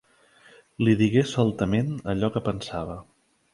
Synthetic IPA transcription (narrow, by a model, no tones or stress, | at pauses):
liðiɣesɔlˠt̪əmenəʎɔkəpənsaβ̞ə